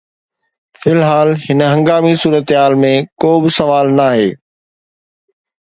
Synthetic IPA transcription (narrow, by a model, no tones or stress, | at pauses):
fɪlɦaːlhɪnəɦɐ̃ŋɡaːmisuːɾət̪ɦaːlmẽkoːbɪsɐʋaːlnaːɦeː